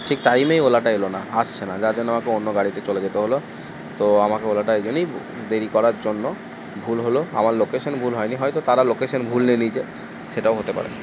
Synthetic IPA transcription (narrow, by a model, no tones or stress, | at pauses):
ʈʰikʈajmejolaʈaelonaast͡ɕʰenad͡ʑaɾd͡ʑonːoamakeonːoɡaɽit̪et͡ɕoled͡ʑet̪eɦolo | t̪oamakeolaʈaed͡ʑonej | d̪eɾikɔɾaɾd͡ʑonːo | bʱulɦoloa̰maɾlokeʃonbʱulɦɔjniɦɔjt̪ot̪aɾalokeʃonbʱulnenid͡ʑʰe | ʃeʈaoɦot̪epa̰ɾḛ